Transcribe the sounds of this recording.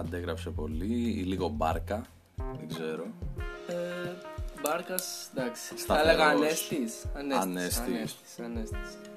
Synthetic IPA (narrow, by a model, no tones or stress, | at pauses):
ɐnd̪eɣɾɐpse̞po̞liiliɣo̞bɐɾkɐ | ðeɡze̞ɾo̞e | bɐɾkɐsd̪ɐksi̥st̪ɐelleɣɐɐnest̪isɐneɐnest̪issɐnest̪i̥s